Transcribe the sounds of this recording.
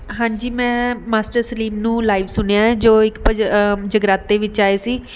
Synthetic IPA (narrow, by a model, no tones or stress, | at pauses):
ɦãːɲd͡ʒiːmɛ̃ːmaːsʈəɾsəliːmnũːlaːiʋsʊnejãːɛːd͡ʒoːɪkpəd͡ʒəɡɾaːt̪ːeːʋɪt͡ʃaːeːsiː